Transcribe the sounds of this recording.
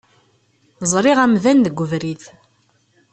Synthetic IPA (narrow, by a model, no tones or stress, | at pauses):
zˤɾˤɪʁæmðænd̪əɡʷːəvɾiθ